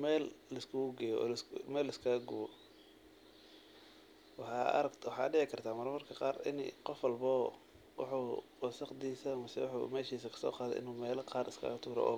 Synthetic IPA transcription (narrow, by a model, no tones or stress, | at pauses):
mɛːlːɐskʰʊɣʊɡɛːjɔ̰ːmɛːlɪskʰɐɣɐɡʊwɔ | wɑħɑ̰ɾɐwɑħɑ̰ːɖɪʕɪkʰɐrt̪ʰaːmɐɾmɐrkʰɐqɑːrɪ̰n̰qɔfwɑlbɔː | wɑ̰ħuːwɔsɐqd̪iːsɐmɐsɛwʊħṵmɛːʃiːsɐkʰɐ̥sɔ̰ːqɑːd̪ɛ̰ʔɪ̰nuːmɛːlɐqɑːrɪskʰɐ̰ɣt̪ʰuːɾɔ̰ʔɔ̰ː